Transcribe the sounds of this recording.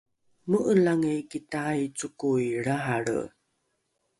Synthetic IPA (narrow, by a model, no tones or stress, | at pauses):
məʔəlaŋekitajt͡sukuiɾaɦaɽə̰